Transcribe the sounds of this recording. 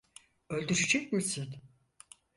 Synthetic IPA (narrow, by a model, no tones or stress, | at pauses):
ølʲd̪yɾid͡ʒɛkmisin